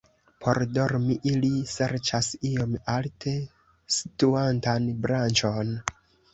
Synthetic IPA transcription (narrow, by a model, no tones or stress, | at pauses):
pʰo̞ɾdo̞ɾmiʔilise̞ɾt͡ʃasijo̞maltʰe̞ | si̥tuantanbɾant͡ʃo̞n